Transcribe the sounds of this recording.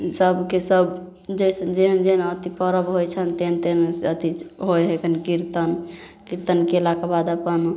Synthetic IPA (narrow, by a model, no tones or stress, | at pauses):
səbʱkesəb | d͡ʒəjsəd͡ʒeɦənd͡ʒenət̪ipəɾəbɦojt͡ʃʰənt̪ent̪ensət̪iɦojɦekənkiɾt̪ən | kiɾt̪ənkelakebad̪əpən